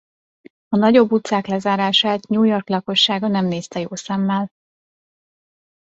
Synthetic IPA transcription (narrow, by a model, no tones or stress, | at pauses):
ɒnɒɟo̞bːut̪saːklɛzaːɾaːʃaːt̪ɲuːjo̞rklɒko̞ʃːaːɡɒnɛmneːst̪ɛjoːsɛmːɛl